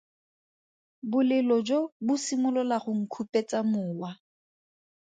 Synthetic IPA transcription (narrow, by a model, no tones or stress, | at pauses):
bʊlɪlɔd͡ʒobʊsimʊlɔlaχʊŋ̩kʰupʼet͡sʼamʊːwa